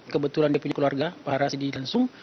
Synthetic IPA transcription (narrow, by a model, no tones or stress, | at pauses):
kəbət̪ulandiapuɲakəluarɡapaɦaɾasidilaŋsʊŋ